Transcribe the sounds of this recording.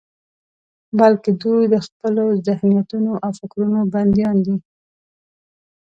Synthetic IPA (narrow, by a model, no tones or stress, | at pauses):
balked̪ujd̪əxpəlozɪhnijat̪unoʔawfɪkɾunoband̪ijɑnd̪i